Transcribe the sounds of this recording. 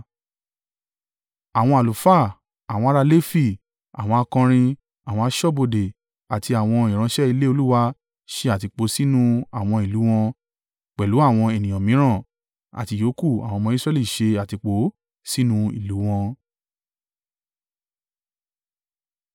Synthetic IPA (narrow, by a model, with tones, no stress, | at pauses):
a˨w̃ɔ̃˧a˨lu˨fa˦˨ | a˨w̃ɔ̃˧˦a˦ɾa˧le˦fi˦˨ | a̰˨w̃ɔ̃˧a˧kɔ̃˧ɾ̃ĩ˧ | a˨w̃ɔ̃˧a˧ʃɔ˦˨bo˧de˨ | a˨ti˧a˨w̃ɔ̃˧i˨ɾ̃ã˧ʃɛ˦i˧le˦o˧lu˦wa˧ | ʃe˧a˨ti˧k͡po˨˦si˦nũ˦a˨w̃ɔ̃˧i˨lu˨˦w̃ɔ̃˧ | k͡pɛ˨lu˨˦a˦˨w̃ɔ̃˧e˨nĩ˨j̃ɔ̃˨mĩ˨˦ɾ̃ã˦˨ | a̰˨ti˧jo˨˦ku˦˨a̰˨wɔ̃˧mɔ̃˧˦i˦sɾɛ˦li˦˨ʃe˧a˨ti˧k͡po˨˦ | si˦nũ˦˧ḭ˨lu˨˦w̃ɔ̃˧